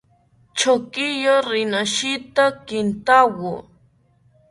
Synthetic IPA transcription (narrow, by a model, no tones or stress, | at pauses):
t͡ʃokɪjaɾɪnaʃɪt̪akɪnt̪awʊ